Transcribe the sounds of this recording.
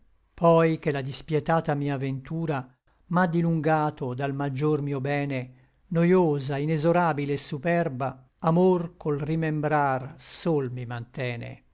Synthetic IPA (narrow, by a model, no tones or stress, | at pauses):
pɔjk̟elad̪ispjɛt̪aːt̪amiːaːvent̪uːɾa | mad̪iluŋɡaːt̪od̪almad͡ʒːormiːobɛːne | nojoːzainezoɾaːbileːsːupɛrba | amorkolrimembɾarsolmimant̪ɛːnḛ